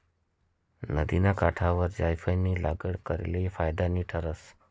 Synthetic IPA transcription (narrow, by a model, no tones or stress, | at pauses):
nəd̪inakaʈʰaʋəɾd͡ʒajfʰəjnilaɡəɽkəɾḛlifajd̪aniʈʰəɾəs